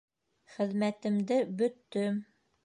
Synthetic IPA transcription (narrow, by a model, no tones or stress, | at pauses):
χɘ̆ðmæt̪ɘ̆md̪ɘbɵ̆t̪ːɵm